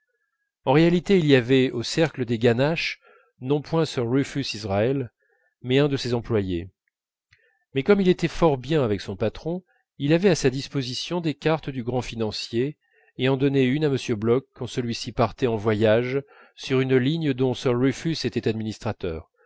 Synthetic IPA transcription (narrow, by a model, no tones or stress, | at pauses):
ɑ̃ʁealit̪eilijavɛosɛʁkləd̪eɡanaʃ | nɔ̃pwɛ̃sœʁʁyfysizʁaɛl | mɛɛ̃d̪əsezɑ̃plwaje | mɛkɔmilet̪ɛfɔʁbjɛ̃avɛksɔ̃pat̪χɔ̃ | ilavɛasad̪ispozisjɔ̃d̪ekaʁt̪d̪yɡʁɑ̃finɑ̃sje | eɑ̃d̪ɔneynaməsjøblɔkːɑ̃səlɥisipaʁt̪ɛɑ̃vwajaʒ | syʁynliɲd̪ɔ̃sœʁʁyfyset̪ɛt̪ad̪minist̪χat̪œ̰ːʁ